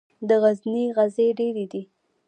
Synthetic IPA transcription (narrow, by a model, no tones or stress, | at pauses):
d̪əɣazniɣazeɖeɾed̪i